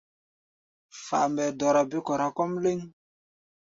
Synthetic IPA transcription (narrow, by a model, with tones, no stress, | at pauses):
fa̰˨mbɛ˨dɔ˨ɾa˨bi˦kɔ˨ɾa˨kɔ˦mle˦ŋ